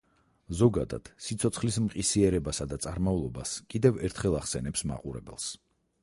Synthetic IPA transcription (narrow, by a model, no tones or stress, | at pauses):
zɔɡad̪a̰d̪̥sit̪sʰɔt̪sʰχlismqʼisiɛɾɛbasad̪at̪sʼaɾmaulˠɔbaskʼid̪ɛvɛɾt̪ʰχɛlˠaχsɛnɛpsma̰qʼuɾɛbɛ̰lˠs